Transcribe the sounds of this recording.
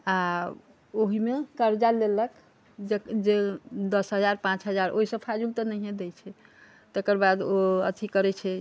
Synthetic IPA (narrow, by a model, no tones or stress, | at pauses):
a | oɦimekəɾd͡ʒalelək | d͡ʒed͡ʒed̪əsɦəd͡ʒaɾpãt͡ʃɦəd͡ʒaɾʔoɦisə̃pʰad͡ʒuɡt̪ənəɦiɦẽd̪et͡ʃʰɛ | t̪ekəɾbad̪oə̰t̪ʰikəɾɛt͡ʃʰɛ